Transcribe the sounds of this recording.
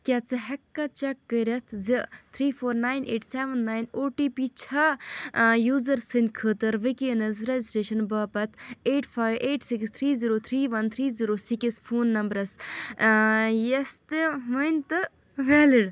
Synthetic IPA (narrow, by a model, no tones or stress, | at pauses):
kʲat͡sɨɦɐkːɐt͡ʃɐkːəɾɐt̪ʰzit̪ʰɾiːfʰoːɾnaːjnʔḛːʈseːʋɐnːaːjnoːʈiːpit͡ʃʰɐ | juːzɐɾsɨnʲkʰəːt̪ɐɾʋɨkeːnɐzɾɐzisʈeːʃɐnbɐːpɐt̪ʰeːʈfaːjʋʔeːʈsikst̪ʰɾiːziːɾoːt̪ʰɾiːʋɐnt̪ʰɾiːziɾoːsikisfʰoːnːɐmbɾɐs | jɐst̪ɨɦunt̪ɨ | ʋɛːliɽ